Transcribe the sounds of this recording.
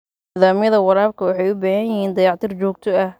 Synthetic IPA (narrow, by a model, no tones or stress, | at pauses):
nːðaːmjɐðɐwɑɾaːbkʰɐwɑħɑjʊbaːhɐjjɪhiːnd̪ɐjɑːʕt̪ʰɪrt͡ʃɔːɡ̚t̪ʰɔɐh